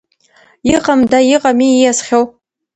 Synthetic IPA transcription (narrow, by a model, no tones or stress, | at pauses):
iqʼamdajiqʼamiijasχʲow